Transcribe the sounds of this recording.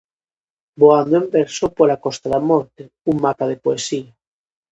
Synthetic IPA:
boand̪oembeɾsopolakɔst̪aðamɔɾt̪e | uŋmapaðepoesia

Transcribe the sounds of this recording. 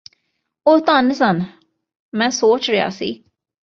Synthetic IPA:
oːt̪ənsən | mɛ̃ːsoːt͡ʃɾeja̰ːsḭː

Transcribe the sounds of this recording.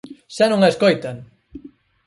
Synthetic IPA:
ʃanõŋaeskojt̪aŋ

